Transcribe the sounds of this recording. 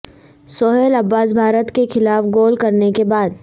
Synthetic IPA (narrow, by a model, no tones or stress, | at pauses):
sɔːɦelɐbːaːs̬bʱaːɾət̪kexɪlaːfɡoːlkɐɾnekebaːd̪̚